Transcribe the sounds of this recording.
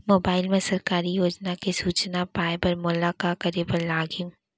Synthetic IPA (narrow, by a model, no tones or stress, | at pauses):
moːbaːɪlmẽsɐɾkaːɾijoːd͡ʒnakesuːt͡ʃnapaːebɐɾmʊlakakɐɾepɐɾlaːɡjũ